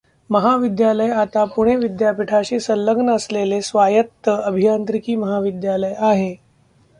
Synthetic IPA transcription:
məɦaʋid̪jaləjat̪apuɽ̃eʋid̪japiʈʰaɕiːsəlːəɡnəəslelesʋajət̪ːəəbʱijant̪ɾikiːməɦaʋid̪jaləjaɦe

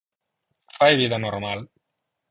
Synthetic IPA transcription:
fajβiðanoɾmal

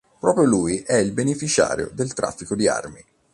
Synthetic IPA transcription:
pɾɔːpɾjolujʔɛilbenefit͡ʃa̰ːɾjo̰d̪elt̪ɾʔa̰fːikod̪ia̰rmi

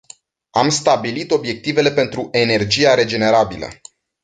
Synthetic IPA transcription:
amst̪abilit̪o̞bje̞k̚t̪ive̞le̞pe̞nt̪ɾuʔe̞ne̞rd͡ʒijaɾe̞d͡ʒe̞ne̞ɾabilə̰

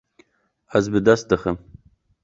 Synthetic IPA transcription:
azbɨdasdɨχəm

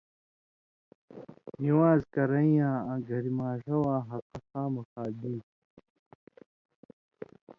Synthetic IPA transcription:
niwaːzkɐɾɐĩjãːãɡʱɐɾimaːʂɐwaːɦɐqɐxaːmɐxaːd̪ĩːt

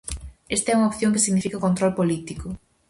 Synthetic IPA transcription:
est̪aɛuŋɐopθjõŋkɪsiɣnifikɐkont̪ɾɔlpolit̪ikʊ

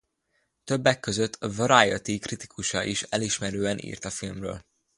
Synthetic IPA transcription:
t̪ø̞bːɛkːø̞zøt̪ʰːvɾajot̪ikrit̪i̥kuʃɒʔiʃɛliʃmɛɾøːɛnʔḭːrt̪ɒfilmrø̰ːl

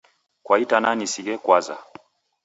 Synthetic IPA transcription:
kwaitananisiɡɛkwaza̰

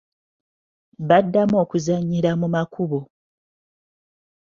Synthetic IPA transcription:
βadːamo̞ːkuzaɲːiɾamumakʰuβo

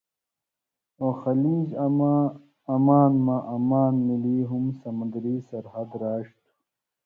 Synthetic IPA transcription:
oːxɐliːza | ɐmaːnmãʔɐmaːnmiliːɦumsɐmɐ̃nd̪ɾiːsɐɾhɐd̪ɾaːɕt̪u̥

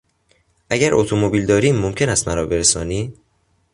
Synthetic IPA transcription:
ʔæɟæɾʔot̪ʰomobiːld̪ɒːɾiːmːomcʰe̞næst̪mæɾɒːbe̞ɾesɒːniː

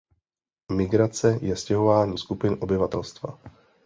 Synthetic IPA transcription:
mɪɡɾat͡sɛjɛscɛɦo̞vaːɲiːskupɪnʔo̞bɪvat̪ɛlst̪va̰

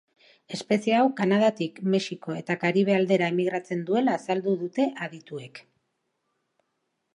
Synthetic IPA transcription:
e̞spe̞sieawkanaðat̪ikme̞siko̞e̞t̪akaɾiβ̞eald̪e̞ɾaemiɣɾat͡se̞nd̪ue̞laːsald̪uðut̪e̞ʔaðit̪ue̞k

